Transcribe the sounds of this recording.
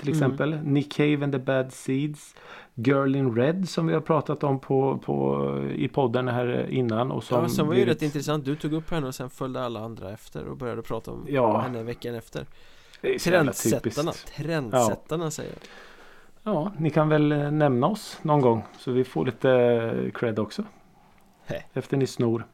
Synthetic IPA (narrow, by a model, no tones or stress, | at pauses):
t̪ʰɪlɛksɛmpəlnɪkʰɛɪvɛnd̪əbæd̪siːd̪s | ɡœɾɭɪnɾɛd̪sɔmvɪhaɾpʰɾɑːt̪at̪ɔmpʰɔpʰɔ̰ɪ̰pʰɔd̪ːənɦæːɾɪ̰nːanɔ̰sɔmsɛnvaɾɾɛt̪ːɪnt̪ɾɛsant̪̚d̪ɵt̪ʰuːɡɵpːhɛnːəɔsɛnfœld̪əalːaand̪ɾa̰ɛft̪ə̰ɾɔ̰bœɾjad̪əɔpʰɾɑ̰ːt̪aɔ̰mjɑːhɛnnːəvɛkːanɛft̪ə̰ɾ | d̪ɛɾɛat̪ʰːɛt̪pɪsana̰t̪ʰɾɛnd̪sːɛt̪ːanasɛ̰jə̰ | jɑːnɪkʰanvɛlnɛmnaɔsnɔnɡɔŋːsɔvɪfo̰ːɭiːt̪əkʰɾɛd̪ɔksɔ | ɛft̪əɳɪsnuːɾ